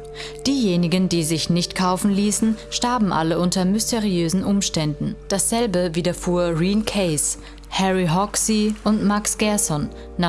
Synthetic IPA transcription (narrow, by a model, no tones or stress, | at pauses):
d̥iːjeːnɪɡəndiːzɪçnɪçtkʰaʊfn̩liːsn̩ʃtaɐbm̩ʔa̰ləʔʊntɐmʏstʰeʁiøːzn̩ʔʊmʃtɛndn̩d̥asz̥ɛlbəviːdɐfuːɐʁiːnkʰɛɪs | hɛʁiɦɔksiʔʊntmaksɡ̥ɛɐsɔn | na